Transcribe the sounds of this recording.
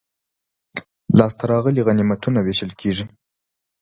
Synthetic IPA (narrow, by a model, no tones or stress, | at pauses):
lɑst̪aɾɑɣəliɣanimat̪unaweʃəlkʰeʐi